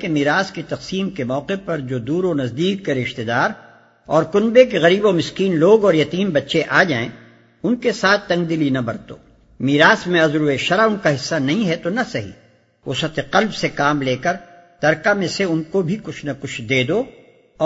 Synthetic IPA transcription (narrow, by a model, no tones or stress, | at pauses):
kemiːɾaːskit̪ɐqsiːmkemɔːqepɐɾd͡ʒoːd̪uːɾonɐzd̪iːkːeɾɪʃt̪ed̪aːɾ | ɔːɾkʊnbek̬eɣɐɾiːbomɪskiːnloːɡɔːɾjɐt̪iːmbɐtːʃeʔaːd͡ʒaːẽ | ʊnkesaːt̪ʰːɐ̃ŋɡ̚d̪ɪlinɐbɐɾt̪o̰ː | miːɾaːsmẽɐzɾuːeʃɐɾaʊnkaɦɪsːanɐɦĩɦɛt̪onɐsɐɦḭː | o̰sɐt̪ʰeqɐlbsekaːmleːkəɾ | t̪ɐɾkamẽseʊnkobʱikʊt͡ʃʰnɐkʊt͡ʃʰd̪eːd̪oː